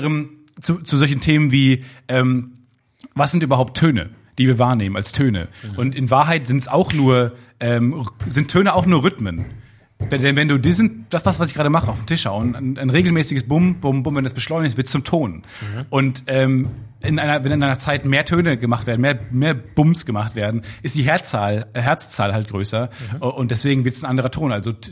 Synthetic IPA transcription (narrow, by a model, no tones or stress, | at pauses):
ʁəm | t͡sut͡suzɔlç̬n̩tʰeːmənviːʔɛːm | vas̬z̥ɪntyːbɐɦaʊp̚tʰːøːnə̰ | d̥iːviːɐvaːɐneːmənʔa̰lstʰøːnə̰ʔʊntɪnvaːɐɦaɪtz̥ɪntsaʊxnuːɐʔɛːmzɪntʰːøːnəaʊxnuːɐʁʏtmən | vɛdɛnvɛnduːdiːzɪntd̥asv̥asvasɪçɡ̥aːɾəmaχəaʊfmtʰɪʃha̰ʊnanaɪnʁeːɡl̩mɛːsɪɡəsb̥ʊmbʊmbʊmvɛndasb̥əʃlɔʏnɪçtɪɐtt͡sʊmtʰoːn | ʔʊntʔɛːmʔɪnʔaɪnɐvɛnaɪnaɪnɐt͡saɪtmeːɐtʰøːnəɡəmaχtv̥eːɐdn̩meːɐmeːɐb̥ʊmsɡ̥əmaχtv̥eːɐdn̩ʔɪstd̥iːɦɛɐt͡saːlɦɛɐt͡st͡sa̰ːlhalt̚ɡ̥ʁøːsɐʔʔʊntd̥ɛsv̥eːɡŋ̩vɪɐtsanʔandəʁɐtʰoːnʔalzo